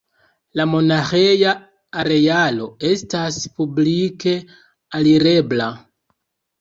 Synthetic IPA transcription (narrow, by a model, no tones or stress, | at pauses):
lamo̞naxejaː | ɾe̞jalo̞e̞staspublike̞ | aliɾe̞bla